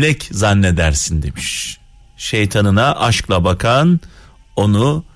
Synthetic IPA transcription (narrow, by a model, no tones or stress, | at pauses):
lʲɛczanːɛd̪æɾsind̪e̞miʃ | ʃejt̪ʰanɯnaʔaʃklˠabakʰan | o̞nu